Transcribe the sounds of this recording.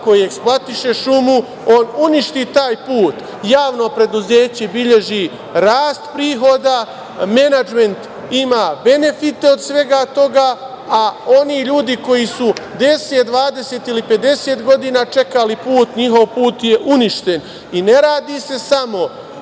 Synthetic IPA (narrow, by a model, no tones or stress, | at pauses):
ko̞jieksplˠat̪iʃe̞ʃumu | o̞ːnuniʃt̪it̪aːjpuːt̪ | jaːʋno̞pɾe̞d̪uzeːt͡ɕebiʎe̞ʒi | ɾaːst̪pɾiːɦo̞d̪a | me̞nad͡ʒme̞nt̪ | imaːbe̞ne̞fit̪e̞o̞d̪sʋe̞ɡat̪o̞ɡaː | o̞niːʎuːd̪iko̞jisud̪e̞set̪̚d̪ʋaːd̪e̞seːt̪ilipe̞d̪e̞se̞ːt̪ɡo̞d̪iːnaːt͡ʃe̞kalipuːt̪ɲiɦo̞ʋpuːt̪je̞ʔuniʃt̪e̞n | ine̞ɾaːd̪ise̞samo̞